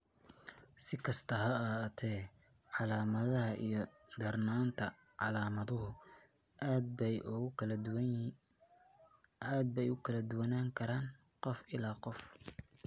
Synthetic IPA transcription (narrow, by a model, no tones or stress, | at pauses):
sɪkʰɐst̪ʰɐɦɐɐt̪ʰɛː | ʕɑlaːmɐðɐɦɐʔijɞ | d̪̥ɐrnaːnt̪ʰɐ | ʕɑlaːmɐðʊɦʊ | d̪̚bɛjʔʊ | aːd̪̚bɛjʊkʰɐlɐd̪ʊwɐnaːŋkʰɐɾaːn | qɔfɪlaːqɔf